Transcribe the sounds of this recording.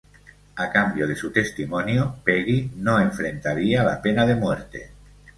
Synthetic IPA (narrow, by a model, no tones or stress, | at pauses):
akambjoðesut̪est̪imonjopeɣinoeɱfɾent̪aɾiala̰penaðemweɾt̪ḛ